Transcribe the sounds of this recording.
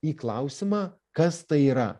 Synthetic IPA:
iːklˠɐʊsʲɪmɑː | kɐst̪ɐɪiːɾɐ̰

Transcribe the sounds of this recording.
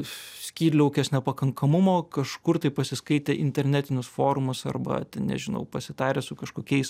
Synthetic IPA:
sʲkʲiːlʲɐʊkʲɛsnʲɛpɐkɐŋkʰɐmʊmoːkɐʃkʊrt̪ɐɪpɐsʲɪskɐɪt̪ʲeːʔɪnʲt̪ʲɛɾʲnʲæt̪ʲɪnʲʊsfoːɾʊmʊsɐ̰rbɐ̰t̪ʲɛnnʲɛ̰ʒʲɪnɐ̰ʊpɐsʲɪt̪ɑːɾʲeːsʊkɐʃkoːkʲɛɪs

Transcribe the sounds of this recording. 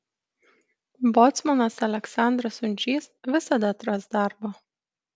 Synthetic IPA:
bɔt̪sʲmɐnɐsɐlʲɛksɑˑnd̪ɾɐsʊnʲd͡ʒʲiːsʋʲɪsɐd̪ɐt̪ɾɐsd̪ɑˑɾboː

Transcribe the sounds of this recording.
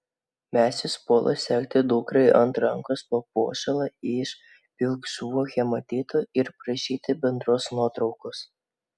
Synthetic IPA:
mʲæːsʲɪspoːlˠɐ̰sʲɛkʲt̪ʲɪd̪ʊːkɾɐɪʔɐnt̪ɾɐŋkoːspoːpo̰ːʃʲɛlˠɐɪʃ | pʲɪlˠksuɔxʲɛmɐt̪ʲiːt̪oːɪɾpɾɐʃʲiːt̪ʲɪbʲɛnd̪ɾoːsnuɔt̪ɾɒʊkos

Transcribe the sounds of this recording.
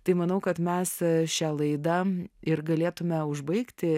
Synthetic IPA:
t̪ɐɪmɐnɐʊkɐt̪mʲɛsʃʲælˠɐɪd̪ɐɪɾɡɐlʲeːt̪ʊmʲɛʊʒbɐɪkt̪ʲɪ

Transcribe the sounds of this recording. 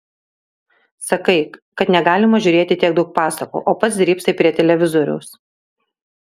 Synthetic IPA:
sɐkɐɪkɐt̪nʲɛɡɑːlʲɪmɐʒʲʊːɾʲeːt̪ʲɪt̪ʲiɛɡ̚d̪ɒʊk̚pɑːsɐkṵːʔoːpɐt̪sʲd̪ʲɾʲiːpsɐɪpʲɾʲiɛt̪ʲɛlʲɛʋʲɪzɔɾʲʊ̰ʊs

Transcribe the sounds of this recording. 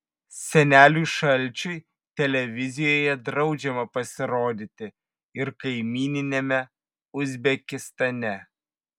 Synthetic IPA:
sʲɛnʲæːlʲuʃɐlʲˑt͡ʃʲʊɪ | t̪ʲɛlʲɛʋʲɪzʲɪjoːjɛd̪ɾɒʊd͡ʒʲɛmɐpɐsʲɪɾoːd̪ʲɪt̪ʲɪ | ɪɾkɐɪmʲiːnʲɪnʲemʲɛ | ʊzʲbʲɛkʲɪst̪ɐnʲɛ

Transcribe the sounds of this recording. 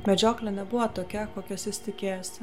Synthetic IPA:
mʲɛd͡ʒʲoːklʲɛnʲɛbʊʋɐt̪oːkʲɛkoːkʲɛsʲɪsʲt̪ʲɪkʲeːjɛsʲ

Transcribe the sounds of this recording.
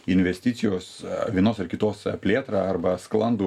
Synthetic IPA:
ɪnʲʋʲɛsʲt̪ʲɪt̪sʲɪjoːsʋʲiɛnoːsɐrkʲɪt̪oːspʲlʲeːt̪ɾɑːɐrbɐsklˠɐnd̪u

